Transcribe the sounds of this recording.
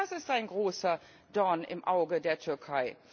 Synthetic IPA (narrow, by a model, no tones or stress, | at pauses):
asɪstaɪnɡʁoːsɐ | d̥ɔnɪ̰mʔaʊɡədeːɐtʰʏɐkʰaɪ